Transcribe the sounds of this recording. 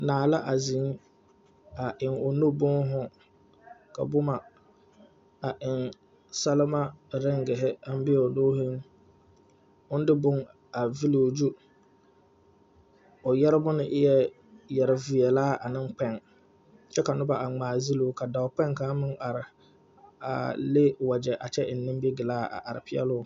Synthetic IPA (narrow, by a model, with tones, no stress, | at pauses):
naː˨la˦ʔa˨zi˨˦ŋ | a˨ʔɪ˨ŋʊ˨no˦bʊ˦ŋɦʊ˦ | ka˨bʊ˦ma˨ | a˨ʔɪ˨ŋ | sa˦lɪ˦ma˦ɾɛ˦ŋɡɪ˨ɦɪ˦a˦m˦bɪ˦˨ʊ˨doː˦he˦ŋ | ʊ˦n˦dɪ˦bʊ˦ŋ | a˨vi˦lo˨d͡ʒu˦ | ʊ˨jɛ˦ɾɪ˦bʊ˦nɪ˦ʔɪ˦jɛ˦ | jɛ˨ɾɪ˨vi˨ɛ˨laː˦ʔa˨nɪ˦ŋk͡pɛ˦˨ŋ | t͡ʃɛ˦ka˨nʊ˦ba˨ʔa˨ŋ͡maː˨zi˦lu˦ka˨da˨ʊ˨k͡pɛ˦ŋka˦mɪ˦ŋa˨ɾɪ˨ | a̰˨le˦wa˨d͡ʒɛ˨ʔa˨t͡ʃɛ˦ʔɪ˨nː˦ɪ̃˦m˦bi˦ɡɪ˨laː˦a̰˨ʔa˨ɾɪ˨pʰɪ˦ɛ̰˦lʊ˦˨